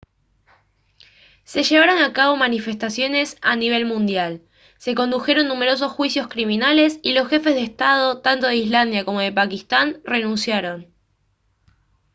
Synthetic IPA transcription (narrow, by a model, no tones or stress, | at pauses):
se̞ʃe̞β̞aɾo̞nakaβo̞manife̞st̪asjo̞ne̞sa̰niβ̞e̞lmũnd̪jal | se̞ko̞nd̪uxe̞ɾo̞nːume̞ɾo̞s̬o̞sxwisjo̞skɾimĩnale̞silo̞sxe̞fe̞zð̞est̪að̞o̞t̪ant̪o̞ðeizland̪jako̞mo̞ð̞e̞pakist̪anre̞nũnsjaɾo̞n